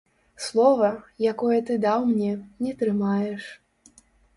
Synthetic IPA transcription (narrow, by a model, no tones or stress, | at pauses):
slˠɔvɐjakɔjɐt̪ɨd̪awmnʲɛnʲɛt̪ɾɨmajɛʂ